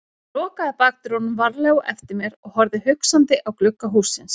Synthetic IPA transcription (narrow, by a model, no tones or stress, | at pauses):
rɔːkaðpaːk̚t̪ɾɔnʏmvaɾlɛɣʔɛft̪ɪɾmjɛɾɔɣhɔɾðɪhʏksant̪ɪʔawklʏkːaɦuːsːɪns